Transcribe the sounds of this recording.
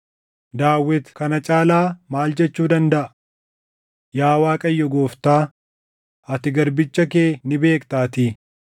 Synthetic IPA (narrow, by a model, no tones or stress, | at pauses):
d̪aːwːɛt̪kɐnɐt͡ʃʼaːlaːmaːld͡ʒɛt͡ʃːuːd̪ɐnd̪ɐʔɐ̥ | jaːwaːkʼɐjːɔɡoːft̪aː | ɐt̪ɪɡɐɾbɪt͡ʃːɐkeːnɪbe̞ːkt̪aːt̪iː